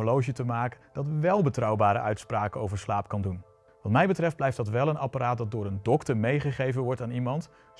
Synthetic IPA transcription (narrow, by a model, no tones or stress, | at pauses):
olowʒətəmaːkəd̥ɑtʋɛlˠbətrɑwbaːɾə̰ʔœɥtspraːkəowvəɹslaːp̚kɑndun | ʋɑtmɛjbətrɛft̚dblɛjftdɑtʋɛlˠənɑpaɾaːt̚dɑt̚dʊːɾəndɔktəɹmejχəχejvənʋɔɹtaːnimɑnt